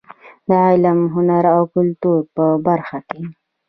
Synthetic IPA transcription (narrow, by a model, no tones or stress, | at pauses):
d̪əʕɑlamɦʊnaɾawkʊlt̪uɾpəbaɾxake